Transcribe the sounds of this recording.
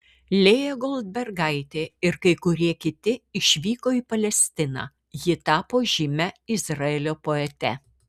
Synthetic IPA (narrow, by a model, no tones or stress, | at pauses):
lʲeːjɛɡɔlˠd̪̚bʲɛɾɡɐɪt̪ʲeːɪɾkɐɪkʊɾʲiɛkʲɪt̪ʲɪɪʃʲʋʲiːkoːiːpɐlʲɛsʲt̪ʲɪnɑ̰ː | jɪt̪ɑːpoːʒʲɪmʲɛɪzɾɐeːlʲoːpoːɛt̪ʲɛ